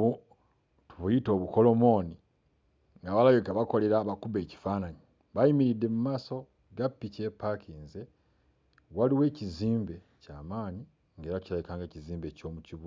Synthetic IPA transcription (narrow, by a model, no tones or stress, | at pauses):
u | tuβujito̞ːβuko̞lo̞mo̞ni | ŋɡaβalajokaβako̞le̞ɾaβakuβe̞ːci̥faːnaɲi | βajimiɾidːe̞mumaːso̞ | ɡapːice̞pːakʰiːnze | waliwe̞ːciziːmbe̞ | caːmaːɲi | ŋɡe̞ːɾacilajikaːŋɡe̞ːciziːmbe̞co̞ːmuciβu